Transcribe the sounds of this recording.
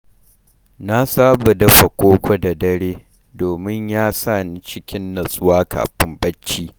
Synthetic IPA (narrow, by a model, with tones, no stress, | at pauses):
na˦saː˦bɐ˨dɐ˦ɸɐ˨kʷoː˦kʷo˦da˨dɐ˦ɽeː˦ | doː˨mɪ˦ɲjaː˦saː˦˨ni˦t͡ʃɪ˦kʲɪ˦nːɐ˨sʼʊ˦waː˦kʰa̰ː˨ɸɪ˦mbɐ˦t͡ʃːiː˦